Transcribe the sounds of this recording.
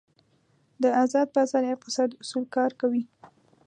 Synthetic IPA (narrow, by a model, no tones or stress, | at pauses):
d̪əazɑd̪̚bazɑɾjafəsɑd̪ʊsulkɑɾkawi